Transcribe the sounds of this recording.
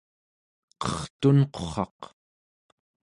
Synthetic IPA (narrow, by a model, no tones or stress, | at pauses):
qʌχt̪unqoχɑq